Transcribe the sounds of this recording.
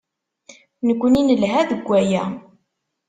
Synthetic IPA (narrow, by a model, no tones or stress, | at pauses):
nəkʷːəninəlɦæðəɡʷːæjæ